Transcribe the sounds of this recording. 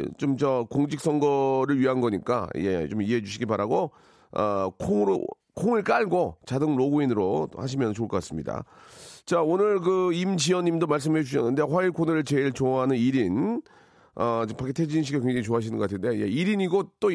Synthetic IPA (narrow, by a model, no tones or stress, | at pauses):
t͡ɕomt͡ɕʌkoŋd͡ʑʰik̚s͈ʌŋɡʌɾɯɭɥiɦanɡʌɲik͈a̰jḛt͡ɕomiɦed͡ʑuɕʰiɡibaɾaɡo | ʌ̰kʰoŋɾo̰ | kʰoŋɯɭk͈aɭɡot͡ɕadɯŋɾoɡoinɯɾothaɕ̬ʰimjʌnɯt͡ɕoɭk͈ʌk͈as͈ɯmɲida̰t͡ɕaonɯɭkɯimt͡ɕiwʌɲːimdomaɭs̬͈ɯmɦed͡ʑuɕʰʌnːɯnde̞ɸwaiɭkʰonɯɾɯɭt͡ɕe̞iɭt͡ɕoɦanɯniɾin | ʌt͡ɕpak͈ʰetʰed͡ʑinɕ̬ʰiɡakeŋd͡ʑeŋit͡ɕoaɦaɕʰinɯnɡʌatʰɯnde̞jḛiɾiɲiɡot͈o